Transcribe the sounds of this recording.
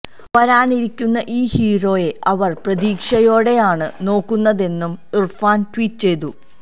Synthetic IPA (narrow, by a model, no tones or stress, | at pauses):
ʋɐɾaːniɾikʲːunːɐʔiːhiːro̞ːje̞ʔɐʋɐrprɐdiːkʂɐjo̞ːɽe̞jaːɳɨno̞ːkːunːɐðe̞nːumirfaːntwiːtːt͡ɕe̞jt̪u